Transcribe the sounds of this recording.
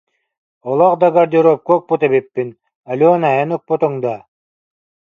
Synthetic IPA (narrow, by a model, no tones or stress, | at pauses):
ɔlˠɔqd̪aɡaɾd̪ʲiɾɔːp̚kɔːk̚put̪ɛβipːin | ɐlʲɔːnajanuk̚put̪ɯŋd̪a